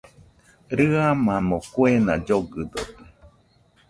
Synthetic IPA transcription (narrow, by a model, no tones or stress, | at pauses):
ɾɨamamokwenad͡ʒoɡɨd̪ot̪e